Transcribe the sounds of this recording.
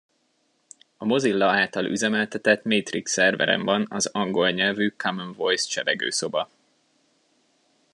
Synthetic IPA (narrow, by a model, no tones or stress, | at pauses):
ɒmo̞zilːɒaːlt̪ɒlʔyzɛmɛlt̪ɛt̪ɛt̪meːt̪riksɛrvɛ̰ɾɛ̰ɱvɒnɒzɒŋɡo̞lɲɛlvykʰamɛnvojst͡ʃɛlɛɡø̰ːso̞bɒ